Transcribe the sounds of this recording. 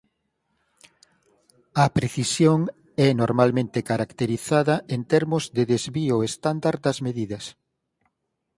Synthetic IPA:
ɐpɾeθisjoŋ | ɛnoɾmalmẽnt̪ekaɾakt̪eɾiθaðɐʔent̪ɛɾmʊzðeðezβiʊest̪and̪aɾd̪ɐzmeðiðɐs

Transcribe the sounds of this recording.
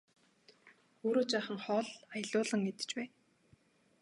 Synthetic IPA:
oːɾoːt͡ɕaːχə̆ŋχɔːɮajə̆ɮʊːɮə̆ŋet̪ɘ̥̆t͡ɕpæː

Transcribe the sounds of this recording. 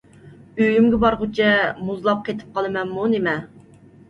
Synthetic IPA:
øjymɡʲɛbɑɾʁʊt͡ʃʰɛmuzlˠɑp̚qʰet̪ʰɪ̥p̚qʰɑlˠɨmɛnmunemɛ

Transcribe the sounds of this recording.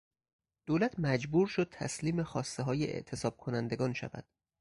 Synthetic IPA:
d̪̥oːlæt̪ʰmæd͡ʒbuːɾʃod̪̥̚t̪ʰæ̰sliːme̞xɒːst̪eɦɒːjeʔḛʔt̪ʰe̞sɒːb̥̚kʰo̞nænd̪e̞ɡɒːnʃæ̰væ̰d̪̥

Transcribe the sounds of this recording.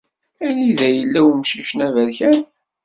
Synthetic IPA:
æliðæjəlːæwmʃiʃnævæɾçæn

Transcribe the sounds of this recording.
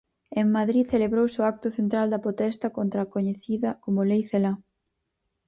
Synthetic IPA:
eŋmaðɾiθeleβɾowsʊak̚t̪ʊθent̪ɾald̪ɐpɾot̪ɛst̪ɐkont̪ɾakoɲeθiðɐkomʊlejθela

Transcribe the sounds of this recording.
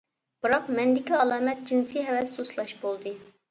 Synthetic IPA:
b̥ɨɾɑqmɛnd̪ɪkʲiɑlˠɑːmɛt̪̚d͡ʒinsijɦɛvɛsuslˠɑʃbolˠd̪ɨ

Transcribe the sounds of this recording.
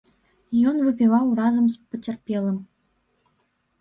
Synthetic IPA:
jɔnvɨpʲivɑwrɑzəmspə̆tʲerpʲelˠə̆m

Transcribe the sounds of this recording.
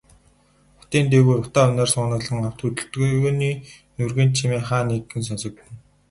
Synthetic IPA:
χʊ̥t̪iːnt̪̬eɣuːrʊt̪aːʊnæːrsʊːnə̆ɮə̆ŋaw̥t̪ut̪ɘ̆ɬt̪ɣniː | nɵrɣeːnt͡ɕʰimeːχaːneɡɘ̆ns̬ɔnsɞ̆k̚pɘ̆n

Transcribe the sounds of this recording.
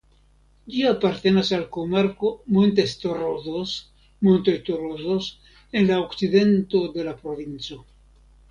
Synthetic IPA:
d͡ʒiapaɾt̪enasalkomaɾkomont̪est̪oroðos | mont̪est̪oɾosos | enlaoksiðent̪oðelapɾoβinso

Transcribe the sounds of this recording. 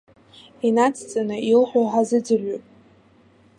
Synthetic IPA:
inat͡sʰt͡sʼanɨilħʷoħazɨd͡zɨrɥopʼ

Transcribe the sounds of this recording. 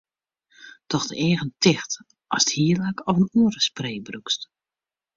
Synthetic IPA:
tɔxdəeːɣəntɪxt | ʔɔsthiəlakɔvənuəɾəspreːbrukst

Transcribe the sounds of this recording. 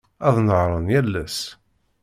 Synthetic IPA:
æðˤnəʁɾˤənjælːæs

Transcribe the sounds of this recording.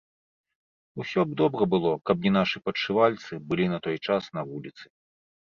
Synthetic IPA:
usʲɔb̚d̪ɔbɾɐbɨlˠɔkɐbnʲinaʂɨpɐt͡ʂɨvalʲt̪sɨbɨlʲinɐt̪ɔjt͡ʂasn̪ɐvulʲit̪sɨ̥

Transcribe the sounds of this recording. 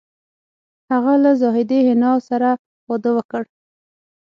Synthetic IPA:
haɣalazɑɦɪd̪ehɪnɑsaɾa | wɑd̪əwəkəɽ

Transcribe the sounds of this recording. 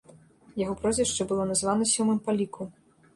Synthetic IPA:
jaɣɔpɾɔzʲvʲiʂt͡ʂɛbɨlˠɔnazvanɐsʲɔmɨmpalʲikʰu

